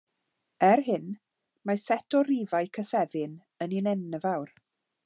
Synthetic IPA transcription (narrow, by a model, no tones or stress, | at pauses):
ɛɾɦɪn | masɛtʰɔɾivajkʰəsɛðɪn | əninɛnːəvawr